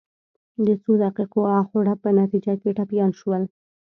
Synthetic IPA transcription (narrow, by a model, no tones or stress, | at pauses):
d̪ət͡sod̪aqiqoaxoɽapənat̪id͡ʒakeʈapjɑnʃwəl